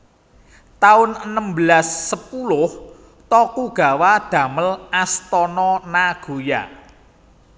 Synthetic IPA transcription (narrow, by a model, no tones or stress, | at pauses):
t̪aʊnənəmbəlasːəpulʊh | t̪ɔkuɡ̥a̤wad̪̥ä̤məlast̪ɔnɔnaɡ̥o̤ja̰